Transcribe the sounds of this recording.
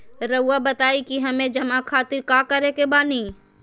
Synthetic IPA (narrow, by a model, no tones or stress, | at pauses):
ɾɐuabɐt̪aːikiɦɐmẽd͡ʒɐmakʰaːt̪ɪɾkaːkɐɾekebaːnĩː